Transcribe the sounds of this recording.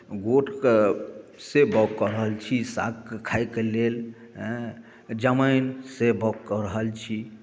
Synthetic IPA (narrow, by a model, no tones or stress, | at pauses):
ɡoʈʰke | sebɔkːəɾɦəlt͡ʃʰisa̰kkekʰajkelel | ɦ | d͡ʒəməjnsebɔkːəɾəɦəlt͡ʃʰi